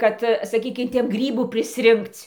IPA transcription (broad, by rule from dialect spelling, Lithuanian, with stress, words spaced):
ˈkɐt sɐˈkʲiːkʲɪm ˈtʲɛn ˈɡrʲiːbuː pʲrʲɪsʲˈrʲɪŋkt͡sʲ